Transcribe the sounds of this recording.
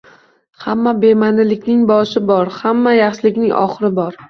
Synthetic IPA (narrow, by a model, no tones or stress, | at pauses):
hamːabe̞manɪlɪkʲnɪŋbɒʃɪbɒɾhamːajaχʃɪlɪkʲnɪŋʔɒ̰χɨɾɪbɒɾ